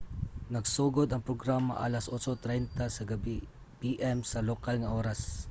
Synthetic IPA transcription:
nɐɡsuːɡod̪ɐŋpɾoɡɾamɐ̰ʔa̰ːlɐsʔoːt͡ʃot̪ɾɛjnt̪asɐɡɐb | biʔɛmsɐlokalŋɐʔoːɾas

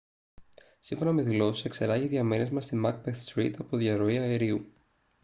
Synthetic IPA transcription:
siɱfo̞nɐme̞ðilo̞si̥se̞kse̞ɾɐʝiðʝɐmene̞zmɐst̪imɐk̚beθst̪ɾit̪ɐpo̞ðʝɐɾo̞iɐeɾiu

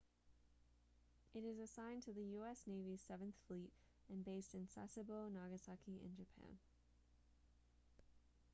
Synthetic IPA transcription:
ʔɨɾɨzɨsãɪ̃ntʰɨðɨjʉɛsneɪviz̥sɛvɨ̃nθflit | ɨ̃nbeɪstɨ̃nsæ̰sɨboʊnɑɡɨsɑkiʔɪ̰̃nd͡ʒɨpʰæ̰̃n

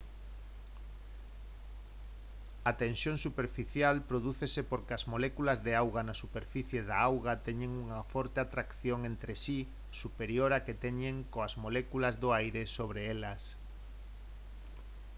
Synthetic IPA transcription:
at̪ẽnsjõŋsupeɾfiθjalpɾoðuθesepoɾkeazmolɛkulazðeawɣanasupeɾfiθjeðaawɣat̪ɛɲẽŋuŋɐfɔɾt̪eat̪ɾakθjoŋent̪ɾesi | supeɾjoɾaket̪ɛɲeŋkoazmolɛkulazðoajɾesoβ̞ɾeelɐs

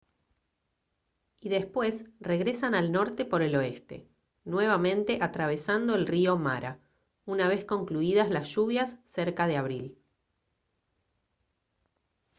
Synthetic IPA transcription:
iðe̞spwe̞sre̞ɣɾe̞sanalno̞ɾt̪e̞po̞ɾe̞lo̞e̞st̪e̞̰ | nwe̞β̞amẽ̞nt̪e̞ʔat̪ɾaβ̞e̞sand̪o̞elrio̞ma̰ɾa | unaβ̞e̞sko̞ŋkluið̞azlasʒ̥uβjasːeɾkað̞eaβ̞ɾil

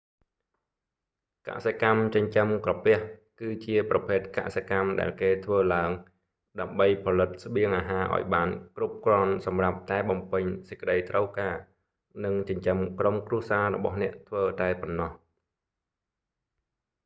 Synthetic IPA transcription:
ka̰ʔsekamt͡ɕəɲt͡ɕəmkrɑpɛ̆əhkɨːt͡ɕiəprɑpʰeːt̪̚ka̰ʔsekamɗa̰ɛlkeːt̪ʰʋəːlaəŋ | ɗaəmɓəjpʰɑlɨt̪̚sɓiəŋʔaːɦaːʔa̰ɔjɓaːnkrup̚krŏənsɑmrap̚t̪aɛɓɑmpɨɲsəc̚kə̆ɗəjt̪rəwkaː | nɨŋt͡ɕəɲt͡ɕəmkromkruəsaːrɔ̰ɓɑ̰hnɛ̆əʔt̪ʰʋəːt̪aɛponːɑh

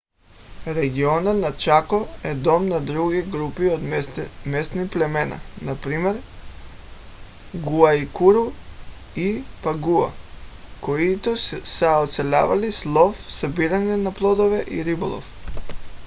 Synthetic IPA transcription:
ɾɛɡiɔnɔt̪nat͡ʃakɔɛd̪ɔmnad̪ɾuɡiɡɾupiod̪mɛst̪niplɛmɛna̰napɾimɛɾ | ɡuaikuɾu | ipaɡua̰koit̪ɔsɛɔt̪sɛlʲa̰valislˠɔfsabiɾanɛnaplˠɔd̪ovɛʔḭɾibolˠɔ̰f

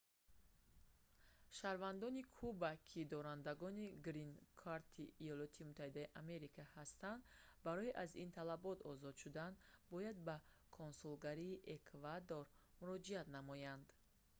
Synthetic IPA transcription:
ʃaɾvand̪ɔnikʰubakʰid̪ɔɾand̪aɡɔniɡɾinkʰaɾt̪ʰiːjɔlɔt̪ʰimut̪ʰːahid̪ajiʔame̞ɾikʰahast̪and̪baɾɔiʔazint̪ʰalabɔt̪ɔzɔd̪ʃud̪and̪bɔjad̪ba | kʰonsulɡaɾiːʔekʰvad̪oɾmuɾɔd͡ʒiat̪namɔjand̪

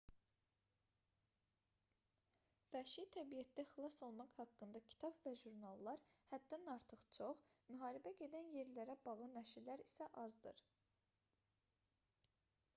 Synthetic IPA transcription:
væʃit̪ʰæbijæt̪d̪æxilˠɑsolˠmɑqhɑkːɯnd̪ɑcʰi̥t̪ʰɑbvæʒuɾnɑlˠːɑɾhæd̪ːænɑɾt̪ʰɯχt͡ʃʰo̞χmyɦɑːɾibæɟe̞d̪ænje̞ɾlæɾæbɑʁɯnæʃiɾlæɾisæʔɑzd̪ɯ̰ɾ

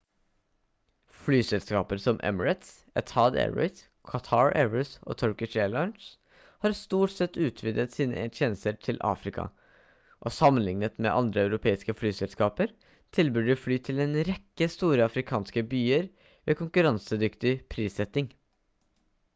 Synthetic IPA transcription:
flyːsɛlskɑːpəɾsɔmʔɛ̰məɹɛt̪s | ɛt̪ʰɑːd̪ɛ̰ɹɔ̰ʏs | kʰɑt̪ʰɑːɹɛ̰ʋəɹso̰ːt̪ʰɔɹkɪʃeːlɑʏns | hɑːɾst̪uːʈsɛt̪ːʉːt̪ʰʋɪd̪ət̪siːnə̰ʔɛt̪ʰjɛːnəst̪əɾʈʰɪlʔɑ̰ːfɾɪkʰɑ̰ | ʔo̰ːsɑmːənlɪŋnət̪mɛ̰ːʔɑ̰nd̪ɾəɑʉɾʊpʰeːɪskəflyːsɛlskɑːpəɾ | t̪ʰɪlbʏɖəflyːt̪ʰɪleːnɾɛkːəst̪uːɾəɑfɾɪkʰɑːnskəbyːəɾ | ʋeːkʰʊŋkʉɾɑnsəd̪ʏkt̪ɪpʰɾiːsɛt̪ɪŋ

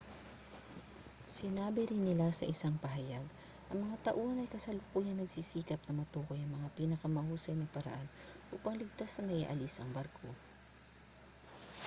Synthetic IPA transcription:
sɪnaːbɪɾɪnːɪlasɐ̰ʔɪsaŋpɐɦɐjaɡ | ʔɐŋmɐŋat̪ɐʔuːhɐnɐjkɐsɐlʊkuːjɐnːɐɡ̚sisiːkɐp̚nɐmɐt̪uːkojɐŋmɐŋapiːnɐkɐmɐhuːsɐjnɐpɐɾɐ̰ʔanʔuːpɐŋlɪɡ̚t̪asːɐmɐʔḭʔɐ̰lɪsɐŋbɐɾkʰo̞

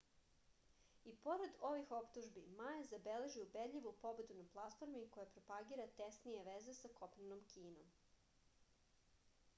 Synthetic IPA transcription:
ipo̞ɾed̪o̞ʋixo̞pt̪uʒbimajezabele̞ʒiubed̪lʎʲiʋupo̞be̞d̪unaplˠat̪fo̞ɾmikojapɾopaɡiːɾat̪esnije̞ʋeze̞sako̞pnenomkʰiːnom

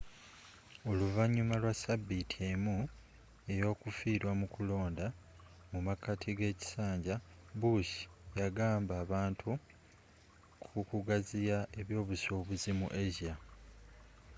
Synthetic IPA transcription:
o̞luvaɲːumalwasabːitʰie̞mu | e̞jo̞ːkufiːɾwamukulo̞ːnda | mumakatʰiɡe̞ːci̥saːɲɟa | buʃi̥jaɡaːmbaːβaːntʰu | kʰukuɡazijae̞βjo̞ːβuso̞ːβuzimṵʔeʒia

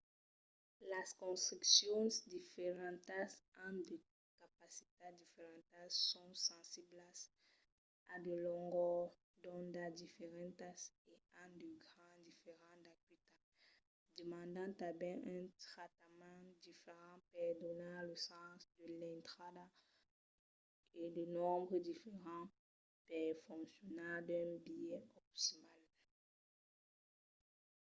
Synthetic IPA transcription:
laskɔ̃st̪χiksjɔ̃sd̪ifeʁɑ̃nt̪asãd̪e | kapasi̥t̪ad̪ifeʁɛ̃nt̪asːɔ̃sɑ̃siblas | ad̪elɔ̃ŋɡɔ | d̪ɔ̃nd̪ad̪ifeʁɛ̃nt̪aseãd̪əɡʁɑ̃d̪ifeʁɑ̃d̪akwit̪a | d̪əmɑ̃nd̪ɑ̃t̪ãbɛ̃ʔɛ̃t̪χat̪amɑ̃d̪ifeʁɑ̃pɛd̪ɔnaləsɑ̃sd̪əlɛ̃nt̪χada | elənɔ̃mbʁəd̪ifeʁɑ̃ | pɛʁfɔ̃ŋksjɔnad̪ɛ̃bijɛɔp̚t̪imal

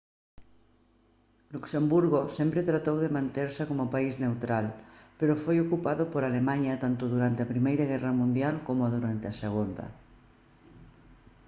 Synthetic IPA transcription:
luksembuɾɣosempɾet̪ɾat̪owðemãnt̪eɾsakomopaizne̞wt̪ɾalpeɾofojokupaðopoɾalemãɲat̪ant̪oðuɾant̪eapɾimejɾaɣ̞eramũnd̪jalkomoaðuɾant̪easeɣ̞und̪a̰

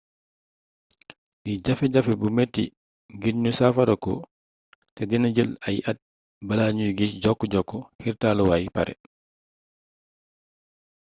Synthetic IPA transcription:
ʔid͡ʒafɛd͡ʒafɛbumetːḭ | ɡiɲːusafadɔkɔ̰ | tɛdinad͡ʒəlajʔat̚ | balaɲujɡisd͡ʒɔkːɔd͡ʒɔkːɔhiɾtaːlɔwajipa̰ɾɛ̰

